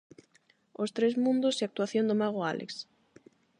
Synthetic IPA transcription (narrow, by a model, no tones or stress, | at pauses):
ost̪ɾezmũnd̪ʊseak̚t̪uaθjond̪ʊmaɣ̞oa̰lʔḛks